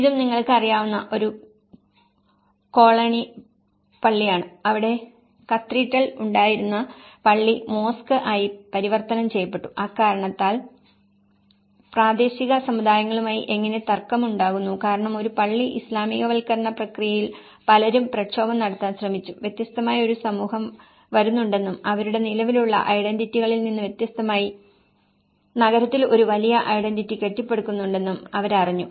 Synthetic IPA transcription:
iðumniŋːɐɭkɨɐrijaːʋunːɐʔo̞ɾu | ko̞ːɭɐni | pɐɭːijaːɳɨɐʋiɽe̞ | kɐt̪riːʈːɐɭuɳɖaːjiɾunːɐpɐɭːimo̞ːskɨʔaːjipɐɾiʋɐrt̪ɐnɐmt͡ɕe̞jɐpːe̞ʈːu̥ʔaːkaːɾɐɳɐt̪ːaːl | praːd̪e̞ːɕiɣɐsɐmːud̪aːjɐŋːɐɭumaːjiʔe̞ŋːɐne̞t̪ɐrkːɐmuɳɖaːɣunːukaːɾɐɳɐmo̞ɾupɐɭːiʔislaːmiːɣɐʋɐlkɐɾɐɳɐprɐkrijɐjil | pɐlɐɾumprɐkɕo̞ːbɐmnɐɽɐt̪ːaːnɕrɐmit͡ɕːuʋjet̪jɐst̪ɐmaːjioɾusɐmuːhɐm | ʋɐɾunːuɳɖe̞nːumɐʋɐɾuɽe̞nilɐʋiluɭːɐ̰ʔɐjɽenditːiɣɐɭilninːɨʋjet̪jɐst̪ɐmaːji | nɐɣɐɾɐt̪ːilo̞ɾuʋɐlijɐʔɐjɽenditːike̞ʈːipːe̞ɽukːunːuɳɖe̞nːumɐʋɐɾɐriɲːu

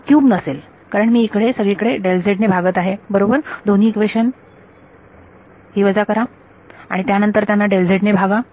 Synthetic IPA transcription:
kjuːbnəsel | kaɾəɳmiːkɽesəɡɭikəɽeɖeld͡zeʈnebʱaɡət̪aɦebəɾobəɾd̪on̤iːkʋeɕən | ɦiːʋəd͡zakəɾa | a̰ɽ̃it̪janənt̪əɾt̪janːaɖeld͡zeʈnebʱaɡa

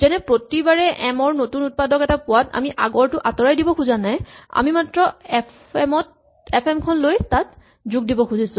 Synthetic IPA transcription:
zɛnɛpɹotibaɹɛʔɛmɔɹnotunut̚padɔkɛtapʊwata̰miʔaɡɔɹtʊʔatɔɹajdibɔkʰuzanaja̰mimatɹɔɛp | ɛmɔt̚ | ɛpʰɛmkʰɔnlojtat̚ | zuɡ̚dibɔkʰuzisʊ̃

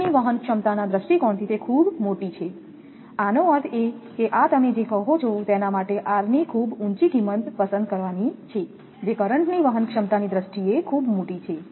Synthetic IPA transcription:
niʋəɦənkʂəmt̪anad̪ɾəsʈikɔɳt̪ʰit̪ekʰubmoʈit͡ʃʰe | anoət̪ʰekeʔat̪əmed͡ʒekəɦot͡ʃʰot̪enamaʈeʔaɾnikʰubuɲt͡ʃiɡimənt̪pəsə̃nd̪̚kəɾʋanit͡ʃʰe | d͡ʒekəɾəɳʈniʋəɦənkʂəmt̪anid̪ɾəsʈiekʰubmoʈit͡ʃʰe

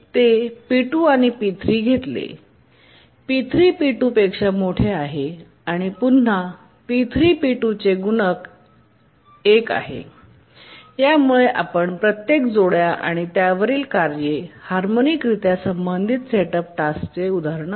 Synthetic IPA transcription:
t̪epiʈuːaɽ̃ipit̪ʰɾiːɡʱet̪lḛ | pit̪ʰɾiːpiʈuːpekʂamoʈʰeaɦe | aɽ̃ipun̤ːa | pit̪ʰɾiːpiʈut͡seɡunək | eka̰ɦḛ | jamuɭeʔa̰pəɳpɾət̪jekd͡zoɭjaʔa̰ɽ̃it̪jaʋəɾiːlkaɾjehaɾmonikɾit̪jasəmbənd̪ʱit̪seʈəp̚ʈast͡seud̪ʱaɾɳə

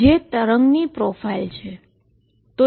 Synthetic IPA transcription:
et̪əɾəŋɡnipɾofailt͡ʃʰe | t̪o

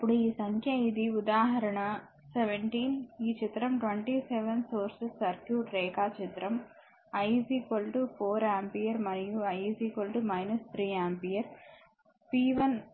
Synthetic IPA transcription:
ɐpːuɽuiːsɐŋkʰjɐid̪iud̪aːɦɐɾɐɳɐ | seʋeɳʈiːniːt͡ʃit̪ɾɐmʈʋeɳʈiseʋɐnsoːɾsisːɐɾkjuːʈɾɛːkaːt͡ʃit̪ɾɐm | ɐjsiːkolʈupoːɾaːmpijɐɾmɐnijuɐjsiːkolʈumɐjnɐst̪ʰɾiːaːmpijɐɾ | piːʋɐn

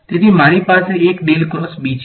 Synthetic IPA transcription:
t̪et̪ʰimaɾipaseːkɖelkɾɔsbit͡ʃ

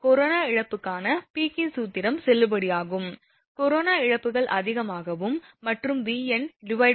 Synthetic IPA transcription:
kɔɾoːnaːɪɻɐpːɯkːaːnɐpiːkɪnsuːt̪ɪɾɐmsɛlːɯbɐɽɪjaːɣɯm | kɔɾoːnaːɪɻɐpːɯɣɐɭʔɐðɪɣɐmaːɣɐʋɯmːɐʈrɯmʋiːɛnɖɪʋɐɪ

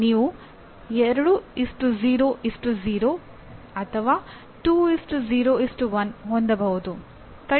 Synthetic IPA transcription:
niːʋu | ɛɾɐɽuisʈuziːɾoːʔisʈuziːɾoː | ɐt̪ʰɐʋaː | ʈuːisʈuziːɾoːisʈuʋɐnɦond̪ɐbɐɦud̪u | t̪ɐ

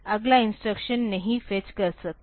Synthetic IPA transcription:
əɡlainsʈɾəkɕənːəɦĩfet͡ɕkəɾsək̚

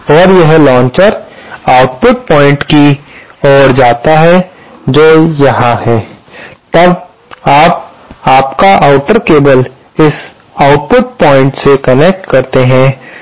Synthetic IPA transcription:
ɔːɾjɐɦlɔ̃ːɲt͡ʃəɾaːʊʈpʊʈ̚pɔ̃ːɪ̃ɳʈkiɔːɾd͡ʒaːt̪aɦɛ | d͡ʒoːjɐɦãhɛːt̪ɐb | aːp̚ | aːpkaʔaʊʈəɾkeːbəl | ɪs | aʊʈ̚pʊʈ̚pɔːɪ̃ɳʈsekɐnek̚ʈkɐɾt̪eɦɛ̃

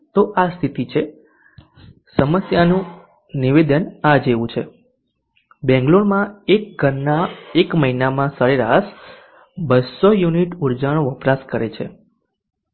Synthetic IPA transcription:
t̪oʔast̪ʰit̪it͡ʃʰe | səməsjanũ | niʋed̪ənad͡ʒeʋũt͡ʃʰe | bɛ̃ŋɡloɾmãek̚ɡʱəɾnaekməinamãsəɾeɾaʃ | bəsojuniʈuɾd͡ʒaɽ̃oʋəpɾaskəɾet͡ʃʰḛ

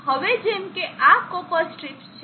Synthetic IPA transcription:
ɦəʋed͡ʒemkeʔakopəɾsʈɾipt͡ʃʰ

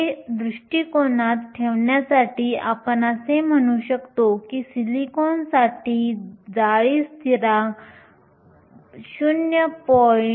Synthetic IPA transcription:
ed̪ɾuʂʈiːkoɳat̪ʈʰeʋɳjasaʈiːapənasem̤əɽ̃uɕəkt̪okiːsilikonsaʈiːd͡zaɭiːst̪ʰiɾa | ɕunjəpɔ

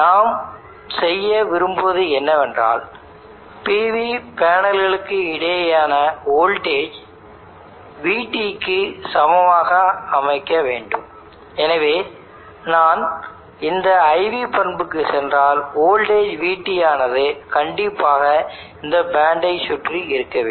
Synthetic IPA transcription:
naːm | sɛjːɐʋɪɾɯmbʋɐðɯɛnːɐʋɛndra̰ːl | piːʋipaːnɐlɣɐɭɯkːɯɪɽɐjɐjaːnɐoːlʈeːd͡ʒ | ʋiːʈːikːɯsɐmɐʋaːɣɐɐmɐɪkːɐʋeːɳɖɯ̰m | ɛnɐʋeː | naːn | ɪnd̪ɐɐɪʋipɐnbɯkːɯsɛndraːloːlʈeːd͡ʒʋiːʈːɪjaːnɐðɯkɐɳɖɪpːaːɣɐɪnd̪ɐbaːɳɖɐɪsʊʈriɪɾɯkːɐʋ

